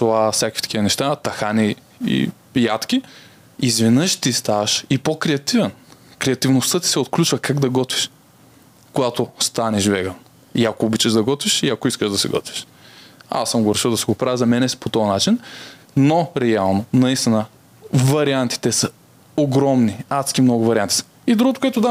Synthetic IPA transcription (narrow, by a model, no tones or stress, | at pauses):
sovafsʲakkvit̪kʲivənɛʃt̪at̪ɐxani | ḭ | jat̪kʲi | izvɛnəʃt̪ist̪avɐʃipokɾɛɐt̪ivɛnkɾɛɐt̪ivnost̪ɤt̪i̥sɛot̪̚klʲut͡ʃvɐkaɡd̪ɐɡɔt̪viʃ | koɡat̪ost̪anɛʒvɛɡən | iakoːbit͡ʃɛʒd̪ɐɡɔt̪viʃiɐkoiskəʃd̪ɐsɛɡɔ̰t̪vi̥ʃ | a̰sːəmɡoɾɛʃilˠd̪ɐsɛɡopɾavʲəzɐmɛnɛspot̪ɔɐnat͡ʃin | noɾɛalˠnonɐist̪inə | vɐɾiant̪i̥t̪ɛsə | oɡɾɔmniat̪skʲimnɔɡʊvɐɾʲiant̪i̥sə̥ | id̪ɾuɡot̪o̥koɛt̪ʊd̪a